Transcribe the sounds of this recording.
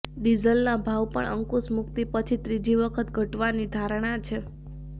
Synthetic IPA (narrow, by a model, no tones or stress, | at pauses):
ɖizəlnabʱaʋpəɳʔə̰ŋkusmukt̪ipət͡ʃʰit̪ɾid͡ʒiʋəkʰət̪ɡʱəʈʋanid̪ʱaɾɳ̃at͡ʃʰe